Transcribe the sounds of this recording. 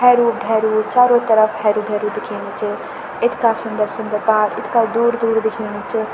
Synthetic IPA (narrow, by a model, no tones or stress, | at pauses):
ɦɛɾubʱɛɾut͡ʃaːɾot̪əɾəpʰhɛːɾubʱɛɾud̪ekʰinit͡ʃʰi | ɪt̪ʰkasʊnd̪əɾsund̪əɾpaːɾɪt̪ʰkad̪uɾd̪uːɾd̪ekʰinit͡ʃʰɨ